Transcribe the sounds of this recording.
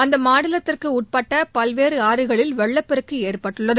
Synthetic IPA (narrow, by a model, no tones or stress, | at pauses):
ɐnd̪ɐmaːɽɐlɐt̪ːɪrkɯʊʈ̚pɐʈːɐpɐlʋeːɾɯaːɾɯɣɐɭɪlʋɛɭːɐpːɛɾɯkːɯeːrpɐʈːɯɭːɐðɯ